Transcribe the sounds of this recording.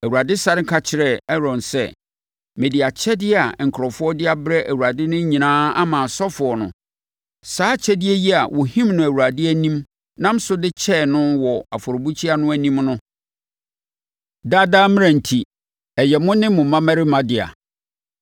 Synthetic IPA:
æ˨wu˨ɾa˨dɪ˦sa˦ɾŋ˦kʰa˦t͡ɕʰɪ˨ɾɛ˦˨ɛ˦ɾɔ̃˨nsɛ̰˦ | mẽ˨di˨a˨t͡ɕʰɛ˦dɪ˦a˨ŋ̩˨kʰɾɔ˨fʊ˦ɔ˦dɪ˦a˦bɾɛ˦ʔæ˨wu˨ɾa˨dɪ˦nʊ̃˦ɲĩ˨nãː˦a̰˦mã˨sɔ˦fʊ˨ɔ˨nʊ̰̃˨ | saː˦t͡ɕʰɛ˦dɪ˦ɛ˦ji˦a̰˨wʔɔ˨hĩ˦mnʊ̃˨æ˨wu˨ɾa˨dɪ˦æ˦nĩ˦m | nã˦m˦sʊ˦dɪ˦t͡ɕʰɛ˦˨nʊ̃˦wɔ˨a˨fʊ˨ɾʊ˨bu˦t͡ɕʰi˦a˦nʊ̃˦æ˨nĩ˦mnʊ̃˦ | da˦daː˦mɪ̃˦æ̃˨n̩˨tʰi˨ | ɛ˨jɛ˨mʊ̃˦nɪ̃˦mʊ̃˨mã˦mæ˦ɾɪ˦mã˦dɪ˨a̰˨

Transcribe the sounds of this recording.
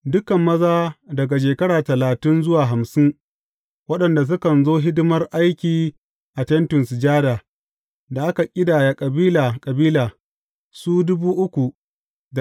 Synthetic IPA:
dʊ˦kɐ˨mːɐ˦zaː˦dɐ˨ɡa˨ʃ̬eː˨kɐ˦ɽaː˨tɐ˨laː˨tɪ˦nzʊ˦waː˨ɦa˨msɪ˦ŋ | wɐ˦ɗɐ˨nda˨s̬ʊ˦kɐ˨nzoː˦ɦɪ˦dɪ˦mɐ˦rʔa˦jkʲiː˨ | ʔa˨tɛ˦ntʊ˨nsɪ˨d͡ʒaː˦daː˨ | da˨ʔa˦ka˨kʲʼɪ˦daː˨ja˨kʼɐ˨biː˦laː˨kʼɐ˨biː˦laː˨ | suː˦dʊ˦buː˦ʔʊ˦kʷu˨ | d

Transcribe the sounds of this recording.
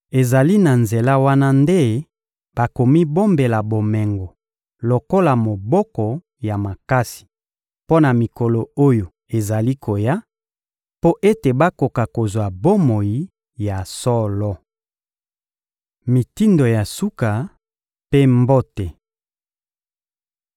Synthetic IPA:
e˨za˨li˦na˨nze˨la˦wa˦na˦nde˦ | b̥a˨ko˨mi˦bo˦mbe˨la˨bo˨mɛ˨ŋɡɔ˨ | lo˨ko˦la˨mo˨bɔ˦kɔ˨ | ja˨ma˨ka˦si̥˨ | po˦na˨mi˨ko˨lo˨o˦jo˨ | e˨za˨li˦kʰo˨ja˦ | po˦ʔe˦te˨ba˦ko˨ka˨ko˨zwa˨bo˦mo˨ji˨ | ja˨sɔ˦lɔ˦ | mi˨ti˦ndo˨ja˨su˦ka˨ | pe˦mbo˦te˨

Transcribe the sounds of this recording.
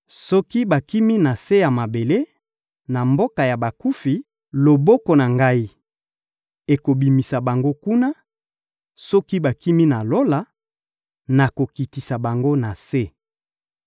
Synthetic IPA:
sɔ˦ki˦ba˨ki˦mi˦na˨se˦ja˨ma˨be˨le˦ | na˨mbo˦ka˨ja˨ba˨ku˦fi˨ | lo˨bɔ˦kɔ˨na˨ŋɡa˦i˦ | e˨ko˨bi˨mi˨sa˨ba˨ŋɡo˦ku˦na˦ | sɔ˦ki˦ba˨ki˦mi˦na˨lo˦la˨ | na˨ko˨ki˨ti˨sa˨ba˨ŋɡo˦na˨se˦

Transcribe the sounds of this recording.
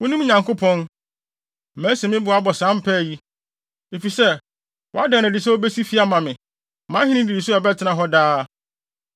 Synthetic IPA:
wʊ̃˦nũ˦m˦ɲã˨ŋkʰʊ˦pʰɔ̃˦n˨ | mæ̃˦sɛ˨mɪ̃˦bʊ˨a˦bɔ˨sã˦m˦pʰɛ˦˨ji˦ | e˨fi˨sɛ˦ | wɔ̰˨˦a˦dã˨nã˨dɪ˨s̬ɛ˦o˦bæ˦si˦fi˦a˦mã˨mɪ̃˨ | mã˨˦ɦɪ̃˦nɪ̃˦di˨di˨sʊ˦ɛ˨bɛ˦tʰɪ˨nã˨ɦɔ˦daː˦

